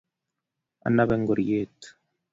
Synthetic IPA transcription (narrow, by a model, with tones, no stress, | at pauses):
a̰˨nːa˦βe˦ŋɡo˨ɾjeːt̪u̥